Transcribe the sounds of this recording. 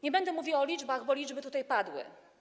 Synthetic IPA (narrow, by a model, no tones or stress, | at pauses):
ɲɛbɛnd̪ɛmuvʲiwɔlʲid͡ʐbaɣbɔlʲid͡ʐbɘt̪ut̪ajpad̪wɘ̰